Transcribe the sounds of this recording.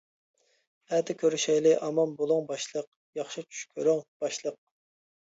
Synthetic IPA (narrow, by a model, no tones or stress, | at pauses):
hɛd̪ɪkʲʰøɾyʃɛjlɪʔɑmɑmbolˠuŋbɑʃlˠəq̚ | jɑχʃit͡ʃʰy̥ʃkʲʰyɾyŋb̥ɑʃlˠəq̚